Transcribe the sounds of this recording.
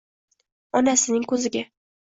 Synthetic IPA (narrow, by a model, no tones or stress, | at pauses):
ɒnasɪnɪŋkʰɵzɪɡʲa